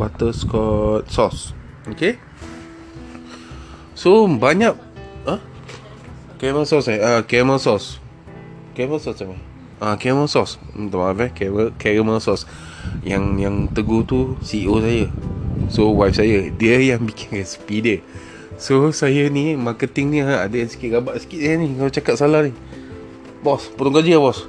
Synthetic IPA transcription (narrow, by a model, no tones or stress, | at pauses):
wat̪əskɔt̪̚sɔs | oke | sobaɲak̚ə | kɛməsɔsajakɛmasɔs | kɛməsɔsama | ʔakɛməsɔst̪əmavɛkɛəkɛɹəməsɔs | jaŋjaŋt̪əɡot̪usiosajəsowajp̚sajədiəjaŋbikʰɪnkaspidə | sosajənimakət̪ɪŋniadəjansə̥kiʔ̚ɡabaʔsə̥kiʔ̪sajanikalat͡ʃakat̪̚salahni | bɔspəɾuŋkad͡ʒəabɔs